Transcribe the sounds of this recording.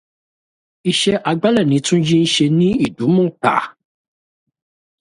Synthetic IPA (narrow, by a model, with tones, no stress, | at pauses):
i˨ʃɛ˦ʔa˨ɡ͡ba˦lɛ˨nĩ˨˦tʰũ˦d͡ʒĩ˦n̩˦ʃe˧nĩ˦i˨du˨˦mũ˦ta̰˨